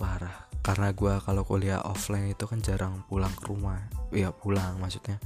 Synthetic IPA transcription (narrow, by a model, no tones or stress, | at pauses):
paɾahkarnaɡuakalokolia̰ʔʔɔflaɪnit̪ukand͡ʒaɾʔaŋpulaŋkəɾumahjapulaŋmahsu̥t̪̚ɲa